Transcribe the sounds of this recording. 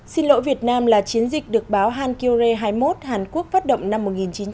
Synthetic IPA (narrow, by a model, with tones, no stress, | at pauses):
si˧nlo̰˧˥vi˨˩ət̚naː˧mlaː˨˩t͡ɕi˨˦ənzï˨˩k̟̚ɗɨ˨˩ək̚ɓaː˨˦wɦaː˧nki˧ze˧ɦaː˧jmo˦˥t̚haː˨˩nku˦˥ək̚faː˦˥t̚ɗə̰˧˨wŋ͡mna˧mːo˨˩t̚ŋi˨˩nt͡ɕi˨˦n